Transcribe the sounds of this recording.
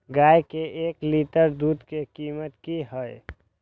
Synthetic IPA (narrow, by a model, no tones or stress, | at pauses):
ɡaːjkeʔeːkliʈəɾd̪uːd̪kekiːmət̪kiɦəj